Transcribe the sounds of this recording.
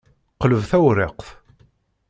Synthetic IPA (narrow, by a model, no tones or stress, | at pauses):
qləvθæwɾeqθ